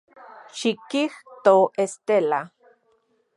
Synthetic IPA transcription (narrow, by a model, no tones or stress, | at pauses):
ʃikiht̪oest̪ela